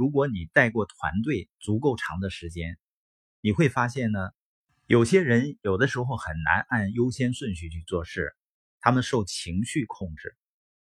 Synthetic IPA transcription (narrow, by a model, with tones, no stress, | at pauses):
ɻu˧˥k̬wɔ˧˥ni˨˩t̪a˥˧ɪkwɔ˥˩t̪ʰwa̰˧˥nt̪we˥˩ɪt͡su˧˥ko˥˩ʊʈ͡ʂʰɑ̰˧˥ŋd̪ə˧ʂɻ̩˧˥t͡ɕjɛ˥n | ni˨˩xwe˥˩ɪfa˥ɕjɛ˥˩nnə˩ | jo˨˩ʊɕjɛ˥ɻə˧˥njo˨˩ʊd̪ə˦ʂɻ̩˧˥xo˥˧ʊxə˨˩nna̰˧˥nʔa˥˩njo˥ʊɕjɛ˥nswə˥˧nɕy˥˧t͡ɕʰy˥˧t͡swɔ˥˧ʂɻ̩˥˩ | t̪ʰa˥mə˨nʂo˥˩ʊt͡ɕʰi˧˥ŋɕy˥˧kʰʊ˥˧ŋʈ͡ʂɻ̩˥˩